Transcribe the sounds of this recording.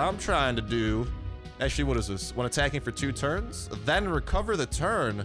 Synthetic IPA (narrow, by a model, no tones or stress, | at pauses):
ãɪ̃mtʰɹ̥aɪɪ̃ŋtɨdɨ | ʔæk̚t͡ʃʉl̩ˠiwʌɾɨzðɪswʌ̃nɨtʰækɪ̃ŋfə˞tʰʉtʰɜ̃˞nz̥ðɨ̃nɹɨkʰʌvə˞ðɨtʰɜ̃˞n